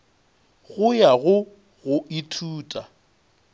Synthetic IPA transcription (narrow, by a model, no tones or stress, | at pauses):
ɣʊjaɣʊ | ɣʊitʰuːtʼa